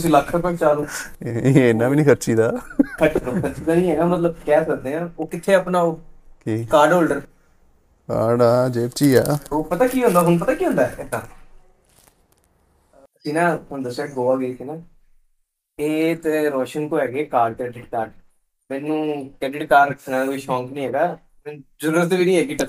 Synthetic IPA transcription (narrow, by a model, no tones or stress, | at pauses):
t̪ʊsĩːləkʰːəpə̃ːnt͡ʃaːɾũː | enːaːbiːnĩːkʰət͡ʃʰiːd̪aːəʈɾokʰəʃʰiːd̪aːnĩːɦɛːnaːmət̪ləb̚kɛːsəɾd̪eːãːoːkɪt̪ʰːeːapnaːoːkiːkaːɾɖoːlɖəɾ | ka̰ːɾɖaːd͡ʒeːpt͡ʃiːa̰ːoːpət̪aːkiːɦõːnd̪aːɦʊnp̬ət̪ãːkiːõːnd̪aːɪd̪aː | sĩːnãːʊnd̪əɾsʈɛːʈ̚ɡoːaːɡeːsiːnãː | eːt̪eɾɔːʃəŋk̪oːɦɛːɡeːkaːɖt̪eːɖɪkʈaːɖ | mɛ̃ːnːũːkɛɖɪʈkaːɾəksənãːd̪aʋiːʃɔ̃ːŋknĩːɦɛːɡaː | mɛːnd͡ʒəɾɾət̪ːʋiːnĩːɦɛːɡiːʈə